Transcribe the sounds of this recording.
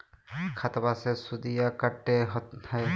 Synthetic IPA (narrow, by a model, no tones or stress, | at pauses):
kʰat̪abasɛsud̪ijakaʈːɛɦɔaj